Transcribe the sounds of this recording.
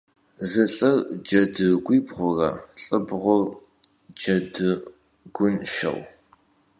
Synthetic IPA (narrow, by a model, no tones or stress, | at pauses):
zɨɬʼɐrd͡ʒɐdɨɡʷiːbʁʷʊra̰ːɬʼɨbʁʷʊr | d͡ʒɐdɨ | ɡ̥ʷʊnʃɐ̰w